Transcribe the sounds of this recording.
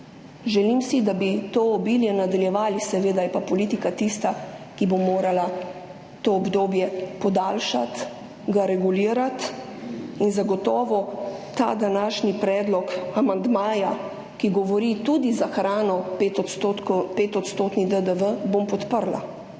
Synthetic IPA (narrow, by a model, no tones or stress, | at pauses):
ʒɛlimsid̪abit̪oːɔbiljɛnad̪aljɛʋaːlisɛʋeːd̪ajɛpapɔliːt̪ikat̪ist̪akibomoːɾala | t̪oːbd̪oːbjɛpɔd̪aːlʃa̰t̪ | ɡaɾɛɡuliːɾat̪ | inzaɡɔt̪ɔːʋɔt̪a̰ːd̪anaːʃnipɾɛːd̪lɔkamand̪maːja | kiɡɔʋɔɾit̪ud̪izaxɾaːnɔet̪ɔpeːt̪ɔt̪st̪oːt̪nid̪əd̪əʋəbompɔt̪pəɾla̰